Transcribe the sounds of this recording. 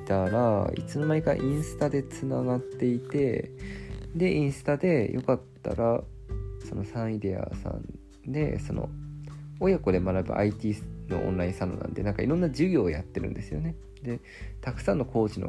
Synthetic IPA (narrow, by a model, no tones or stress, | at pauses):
t̪aɾaḭt͡sɨnomaikaʔĩɰ̃sɨ̥t̪ad̪e̞t͡sɨnaɡat̪ːe̞it̪e̞ | d̪e̞ʔĩɰ̃sɨ̥t̪ad̪e̞jʔo̞kat̪ːa̰ɾa | so̞no̞sãɰ̃id̪ia̰sã̰n | d̪e̞̰so̞no̞̰ | ojako̞d̪e̞manabɯ̟ʔa̰it̪ʲiːno̞̰ʔõ̰nɾaĩsano̰nã̰nd̪e̞nãŋkaiɾõ̞nːad͡ʑɨɡʲo̞ːjat̪ːe̞ɾɯ̟̰̃nd̪e̞sɨjo̞̰ne̞ | d̪e̞ | t̪akɯ̟̥sãnːo̞ko̞ːʑino̰